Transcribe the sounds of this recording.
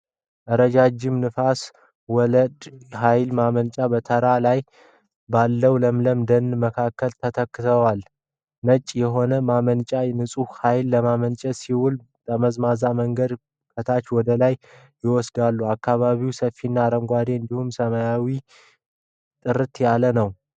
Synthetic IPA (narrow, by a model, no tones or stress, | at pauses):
ʔəɾəd͡ʒad͡ʒɪmnɨfas | wɔləd̪hajlmamənt͡ʃʼabət̪ʰəɾalaj | balːəwləmləmd̪ənːməkʰakːəlt̪ʰət̪ʰəkːɨt̪ʰəwal | nət͡ʃʼːjɛɦo̞nəmamənt͡ʃʼanɨsʼuhhajlːəmamənt͡ʃʼɛsiwul | təməzmazaməŋɡəd̪ | kʰət̪ʰat͡ʃwɔd̪əlaj | jɪwɔsd̪alːuakːaβaβiwsəfːinːaɾəmɡʷad̪eɨnd̪ihumsəmajawi | t̪ʼɨɾɨt̪jalənəw